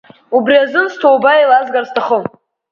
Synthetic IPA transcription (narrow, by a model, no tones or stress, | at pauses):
ubriazɨnstʰowbailazɡarstʰaχəm